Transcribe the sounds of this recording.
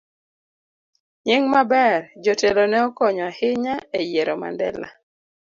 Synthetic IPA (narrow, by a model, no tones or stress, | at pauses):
ɲɪŋmabɛrd͡ʒɔtelɔnɛɔkɔɲɔhɪɲaejeɾɔma̰ndɛ̰la̰